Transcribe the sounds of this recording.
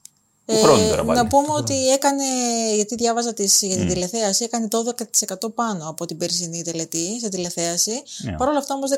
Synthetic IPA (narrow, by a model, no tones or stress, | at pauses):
eɾnɐpumeo̞t̪ie̞kɐne̞ʝɐt̪iðʝɐvɐzɐt̪isʝɐt̪id̪ile̞θe̞ɐsie̞kɐnet̪oðe̞kɐt̪i̥se̞kɐt̪o̞pɐno̞ɐpo̞t̪ibeɾsinit̪e̞le̞t̪iset̪ile̞θe̞ɐsipɐɾo̞lɐft̪ɐo̞mozðe